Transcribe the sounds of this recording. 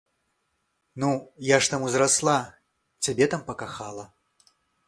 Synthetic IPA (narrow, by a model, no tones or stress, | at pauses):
nujaʂt̪amuzɾaslˠa | t͡sʲabʲɛt̪ampɐkaxalˠɐ